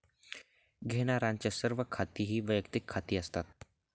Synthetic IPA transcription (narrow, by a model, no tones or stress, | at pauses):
ɡʱeːnaɾãːnt͡ʃəsəɾʋəkʰːaːt̪iɦiʋəjək̚t̪ɪkʰːaːt̪iast̪at̪̚